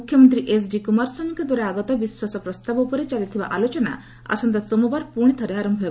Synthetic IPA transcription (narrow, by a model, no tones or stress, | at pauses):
ukʰjɔmɔnt̪ɾiʔesɖikumaɾsɔnŋkɔd̪waɾaaɡɔt̪ɔbiswasɔpɾɔst̪abɔupɔɾet͡ʃalit̪ʰibaʔalot͡ʃɔna̰ | a̰sɔnt̪asomubaɾpuɽ̃it̪ʰɔɾeɦaɾɔmbʱɔe